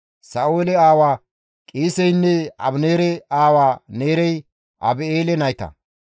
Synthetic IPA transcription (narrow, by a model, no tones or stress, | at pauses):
sɐʔoːlɛaːwaː | kʼiːsɛjnːɛɐ̰bneːɾɛaːwaːneːɾɛj | ʔɐ̰beːlɛnɐjt̪ɐ̰